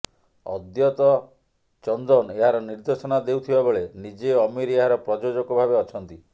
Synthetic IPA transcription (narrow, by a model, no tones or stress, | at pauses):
ɔ̰d̪jɔt̪ɔ | t͡ʃɔnd̪ɔneɦaɾɔniɾd̪esɔnad̪ewt̪ʰibaboɭenid͡ʒeɔmiɾeɦaɾɔpɾɔd͡ʒod͡ʒɔkɔbʱabeɔt͡ʃʰɔnt̪i